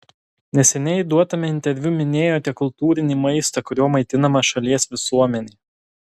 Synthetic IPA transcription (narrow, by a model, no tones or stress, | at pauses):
nʲɛsʲɛnʲɛd̪uɔt̪ɐmʲɛɪnʲt̪ʲɛɾʲʋʲʊmʲɪnʲeːjoːt̪ʲɛkʊlˠt̪uːɾʲɪnʲiːmɐɪst̪ɐkʊɾʲoːmɐɪt̪ʲɪnɐmɐʃɐlʲiɛsʋʲɪsuɔmʲɛnʲiː